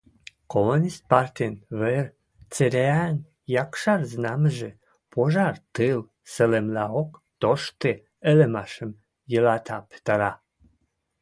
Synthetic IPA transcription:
komunʲist̪̚part̪ʲinver | t͡seɾʲeæn | jɑkʃɑrznɑməʒe | pʰoʒɑrt̪ɨl | səlemlɑokt̪oʃt̪e | elemɑʃəm | jəlɑt̪ʰɑpe̥t̪əɾɑ

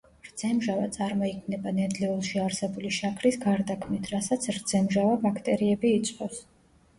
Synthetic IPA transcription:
ɾd̪z̥ɛmʒavat̪sʼaɾmɔikʰmnɛbanɛd̪lɛulˠʃiaɾsɛbuliʃakʰɾisɡaɾd̪akʰmnit̪ʰɾasat̪sʰɾd̪z̥ɛmʒavabakʰt̪ʼɛɾiɛbiːt̪sʼqʼɔfs

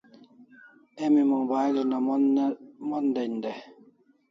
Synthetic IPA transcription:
ɛmimuŋbajlina | mɔndɛndɛ

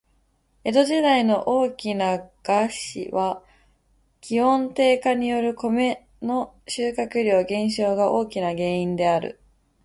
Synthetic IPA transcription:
e̞d̪o̞ʑid̪aino̞ʔoːkʲinaɡ̥aɕḭβa | kʲihõ̞nt̪e̞ːkaɲ̟ijo̞ɾɯ̟ko̞me̞ | no̞ | ɕɨːkakɯ̟ɾʲo̞ːɡẽ̞ɰ̃ɕo̞ːɡaʔo̞ːkʲinaɡe̞ːĩnd̪e̞aɾɯ̟̰

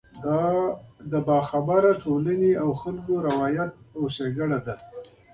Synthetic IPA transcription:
d̪ɑd̪əbɑxabaɾaʈʰolaneawxalkoɾawɑjat̪̚awseɡaɽad̪a

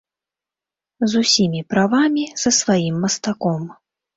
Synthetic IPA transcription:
zusʲimʲipɾavamʲisɐsvajimːɐst̪akɔm

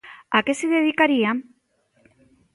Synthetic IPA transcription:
ake̞siðeð̞ikaɾiam

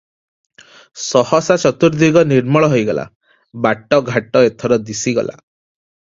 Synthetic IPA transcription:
sɔhɔsat͡ʃɔt̪uɾd̪iɡɔniɾmɔɭɔɦojɡɔla̰ | baʈɔɡʱaʈɔet̪ʰɔɾɔd̪isiɡɔ̰la̰

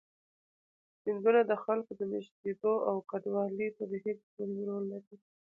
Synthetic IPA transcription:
hind̪unad̪əxalkod̪əmɪʃt̪̚ed̪oawkad̪wɑlit̪ad̪eɦet͡smandɾolːaɾi

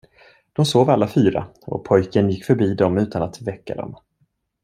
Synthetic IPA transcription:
d̪̥ɔmsoːvalːafyːɾa̰ɔ̰pʰɔjkənjɪkːfœɾbiːd̪ɔmʉ̟ːt̪ʰanat̪vɛkːa̰d̪ɔ̰m

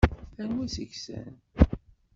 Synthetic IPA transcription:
θænwisəçsæ̰n

